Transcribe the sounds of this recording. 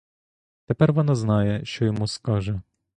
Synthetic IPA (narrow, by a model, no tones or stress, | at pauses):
t̪epɛrʋɔnɑznɑjɛʃt͡ʃɔjɔmuskɑʒɛ